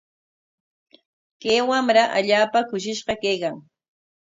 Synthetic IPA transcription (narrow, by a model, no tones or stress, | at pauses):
keːwamɾaʔa̰ʎaːpakʊʃɪʃɢɑkejkaŋ